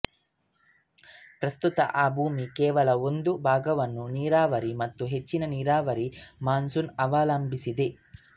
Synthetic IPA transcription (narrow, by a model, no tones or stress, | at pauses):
pɾɐst̪ut̪ɐ̰ʔaːbʱuːmikɛːʋɐlɐond̪ubʱaːɡɐʋɐnːuniːɾaːʋɐɾimɐt̪ːuɦe̞t͡ʃːinɐniːɾaːʋɐɾimaːnsunɐʋaːlɐmbʱisid̪e